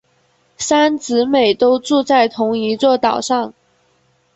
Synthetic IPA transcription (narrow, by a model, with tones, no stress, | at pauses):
sa˥nt͡sɹ̩˧˥me˨˩ɪt̪o˥ʊʈ͡ʂu˥˧t͡sa˥˩ɪt̪ʰʊ˧˥ŋi˧˥t͡swɔ˥˩t̪ɑ˨˩ʊʂɑ˥˩ŋ